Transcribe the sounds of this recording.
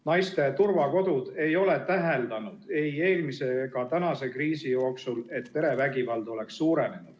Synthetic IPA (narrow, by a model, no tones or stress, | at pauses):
nɑjst̪e̞t̪urvɑko̞d̪ud̪̥e̞jo̞le̞t̪æɦeld̪ɑnud̪̥e̞je̞ːlmise̞ɡ̥ɑt̪ænɑse̞kriːsijo̞ːksule̞t̪pe̞ɾe̞væɡivɑld̪o̞le̞ksːuːɾe̞ne̞nud̪̥